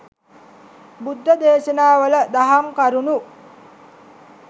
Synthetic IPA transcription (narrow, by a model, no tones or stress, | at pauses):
bud̪ʱːəd̪eːʃənaːʋələd̪aɦamkaɾunu